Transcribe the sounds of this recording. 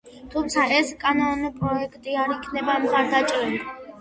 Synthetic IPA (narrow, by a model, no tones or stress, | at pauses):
t̪ʰumt̪sʰaʔɛskʼanɔnipʼɾɔɛkʰt̪ʼiaɾikʰnɛbamχaɾd̪at͡ʃʼɛɾɛli